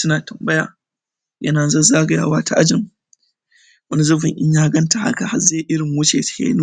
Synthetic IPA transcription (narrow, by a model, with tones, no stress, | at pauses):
sʊ˦naː˨tɐ˨mbɐ˦ja̰ː˨ | jɐ̰˦naː˨zɐ˦zaː˦ɡɐ˨ja̰ː˦waː˦ta˦ʔa˦d͡ʒɪ˨ŋ | wɐ˦ni˦zʊ˦ɸɪ˨ŋʔɪ˦ɲjaː˦ɡɐ˦nta˨ha̰˦ka˨ha˦zaː˦˨ʔɪ˦ɽɪ˨ŋwʊ˦t͡ʃeː˨tḁ˨kḛ˦n˦